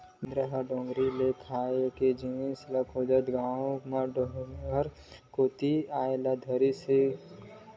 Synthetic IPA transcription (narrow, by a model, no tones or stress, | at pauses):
d̪ɾəɦəɖõːŋɡɾilekʰaːeked͡ʒiĩsləkʰoːd͡ʒət̪ɡaːõmaɖɡəɾ | koːt̪iaːelad̪ʱəɾise